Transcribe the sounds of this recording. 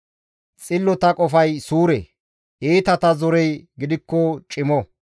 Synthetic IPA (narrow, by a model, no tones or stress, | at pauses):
t͡sʼɪlːɔt̪ɐkʼɔfɐjsuːɾḛ | ʔeːt̪ɐt̪ɐzɔɾɛjɡɪd̪ɪkːɔt͡ʃʼɪmɔ